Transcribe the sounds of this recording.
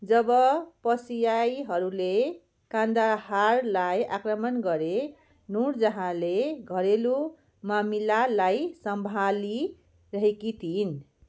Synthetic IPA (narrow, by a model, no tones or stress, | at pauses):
d͡zʌbʌpʌsijajɦʌɾule | kãnd̪aharlaja̰krʌmʌnɡʌɾe | nuɾd͡zʌɦãleɡʱʌɾelu | mamilalajsʌmbʱali | rʌɦekit̪ʰin